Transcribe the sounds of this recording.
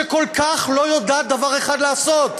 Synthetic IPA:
eko̞lkaχlo̞jod̪aːt̪̚d̪avaʁeχad̪laːso̞t̪

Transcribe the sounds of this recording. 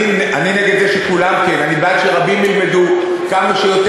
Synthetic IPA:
inʔanineɡed̪zeʃekulamkenanibatʃeʁabimːilme̞d̪u | kamaʃejo̞t̪

